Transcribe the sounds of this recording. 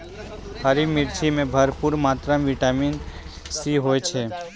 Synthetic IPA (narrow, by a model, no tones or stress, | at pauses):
həɾimɪɾt͡ʃʰimẽbʱəɾpuɾmaːt̪ɾamʋɪʈamiːn | siɦoːet͡ʃʰeː